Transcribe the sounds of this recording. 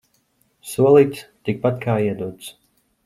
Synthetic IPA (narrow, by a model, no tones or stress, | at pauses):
suɔlˠiːt̪st̪ik̚pat̪kʰaːiɛd̪uɔt̪s